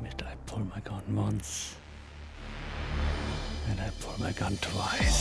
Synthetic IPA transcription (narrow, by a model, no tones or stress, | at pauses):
bɪtaɪpʰʊlˠmaɪɡʌ̃nwʌ̃ns | ɨ̃ndaɪpʰʊlˠmaɪɡʌ̃ntʰɹaɪ